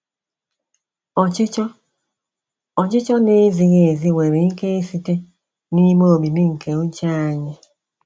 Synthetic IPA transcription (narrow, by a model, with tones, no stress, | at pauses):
ɔ˨t͡ʃɪ˦t͡ʃɔ˦ | ɔ˨t͡ʃɪ˦t͡ʃɔ˦ne˦zi˨ɣe˨zi˦we˨ɾe˨ŋ̩˦ke˦e˦si˦te˦ | ni˦mo˦o˨mi˨mi˦ŋ̩˨ke˨o˦t͡ʃa˦a˨ɲɪ˦